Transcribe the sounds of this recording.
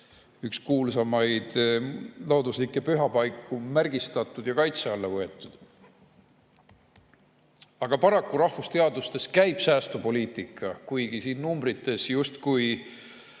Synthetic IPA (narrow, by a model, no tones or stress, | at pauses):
ykskuːlsɑmɑjd̪̥ | loːd̪uslikːˑe̞pyɦɑpɑjkːumærɡ̥ist̪ɑt̪ːˑud̪jɑkɑjt̪seɑlːɑvɤe̞t̪ːˑud̪̥ | ɑɡ̥ɑpɑɾɑkːuɾɑhfust̪e̞ɑd̪ust̪e̞skæjb̥sæːst̪upo̞lʲiːt̪ˑikːˑɑkujɡ̥isiːnːumbɾit̪ːˑe̞sjust̪kuj